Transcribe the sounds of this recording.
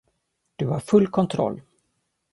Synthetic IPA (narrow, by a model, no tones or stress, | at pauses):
d̪̥ɵhaɾfɵlːkʰɔnt̪ʰɾɔ̰lː